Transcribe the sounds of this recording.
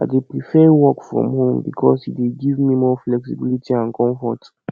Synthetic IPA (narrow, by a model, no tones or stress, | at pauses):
adepɹifɛwɔkfɹɔ̰̃mhõmbikʰɔ̰shitweɡivmimɔflɛksibilitʰiãnkʰɔ̃ɱfɔ̰t